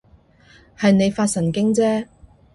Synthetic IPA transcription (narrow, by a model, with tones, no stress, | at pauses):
hɐ˨jne˨˧jfaː˧t̚sɐ˨˩nkɪ˥ŋt͡sɛː˥